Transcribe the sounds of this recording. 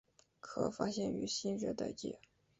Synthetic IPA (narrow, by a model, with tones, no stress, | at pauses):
kʰɤ̰˨˩fa̰˥ɕjɛ˥˩ny˧˥ɕi˥nɕɥɛ˧˥t̪a̰˥˧ɪt͡ɕjɛ̰˥˩